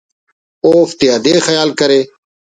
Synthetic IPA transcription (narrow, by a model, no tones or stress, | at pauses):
oːft̪ɪaːd̪eːxɐjaːlkɐɾeː